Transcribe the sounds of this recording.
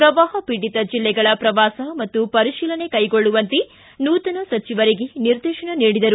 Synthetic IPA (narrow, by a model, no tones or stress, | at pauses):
pɾɐʋaːɦɐpiɽit̪ɐd͡ʒilːɛɡɐɭɐpɾɐʋaːsɐmɐt̪ːupɐɾiʃiːlɐne̞kɐjɡoɭːuʋɐnt̪e | nuːt̪ɐnɐsɐt͡ʃiʋɐɾiɡeniɾd̪iːʃɐɳɐniːɽid̪ɐɾu